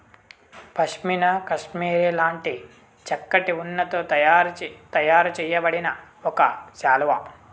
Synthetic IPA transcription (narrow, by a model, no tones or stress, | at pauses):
pɐʂminɐkɐʂmiːɾelaːɳʈi | t͡ʃɐkːɐʈiunːɐt̪oːaɾt̪ɐjaːɾut͡ʃɛjɐbɐɽinɐ | ɔkɐʃaːlʋɐ